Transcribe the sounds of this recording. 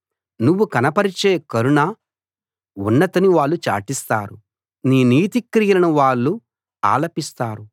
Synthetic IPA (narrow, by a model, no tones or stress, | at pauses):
nuʋːukɐnɐpɐɾit͡ʃeːkɐɾuɳa | unːɐt̪ɐniʋaːɭːut͡ʃa̰ːʈist̪a̰ːɾu | niːniːt̪ikɾiːjɐlɐnuʋaːɭːu | a̰ːlɐpist̪aːɾu